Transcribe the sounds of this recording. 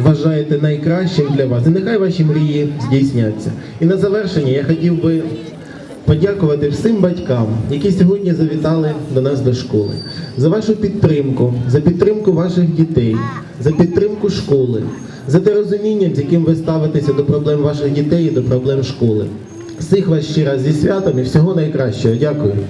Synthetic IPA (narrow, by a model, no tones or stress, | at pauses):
ʋɐʒɑjet̪ɛnɐjkɾɑʃt͡ʃɪmd̪lʲɐʋɑsinexɑjʋɑʃʲimɾʲijizʲdʲijsʲnʲat͡sʲːɐ̰ | inɐzɐʋɛrʃenʲːɐjaxɔtʲiwbɪ | pɔdʲakʊʋɐt̪ɪwsɪmbɐtʲkɑmjɐkʲisʲɔɦɔdʲnʲizɐʋʲit̪ɑlˠɪd̪ɔnɑsd̪ɔʃkɔlˠɪ̰zɐʋɑʃʊpʲid̪t̪ːɾɪmkʊzɐpʲid̪̚t̪ɾɪmkʊʋɑʃɪxdʲit̪ɛj | zɐpʲid̪ɾɪmkʊʃkɔlˠɪ̰ | zɐd̪eɾɔzʊmʲinʲːɐmzʲjɐkɪmʋɪst̪ɑʋɪt̪esʲɐd̪ɔpɾɔblˠɛmʋɑʃɪɣdʲit̪ɛjid̪ɔpɾɔblˠɛmʃkɔlˠɪ̰ | wsɪxʋɑʃt͡ʃɪɾɑzzʲisʲʋʲat̪ɔmiwsʲɔɦɔnɐjkɾɑʃt͡ʃɔɦɔdʲakʊjʊ